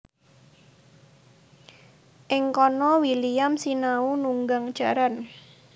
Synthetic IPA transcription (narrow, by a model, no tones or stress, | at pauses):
ʔɪŋkɔnɔwilijamsinaunuŋɡaŋ̥ʒ̥a̤ɾan